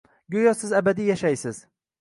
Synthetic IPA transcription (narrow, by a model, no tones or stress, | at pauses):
ɡʲojɒsɪzabad̪ijaʃajsɪz